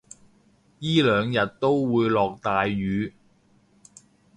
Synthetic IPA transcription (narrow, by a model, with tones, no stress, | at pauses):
jiː˥lœː˨˧ŋjɐ˨t̚t̪o˥wwuː˨˧jlɔː˨k̚t̪aː˨jːyː˨˧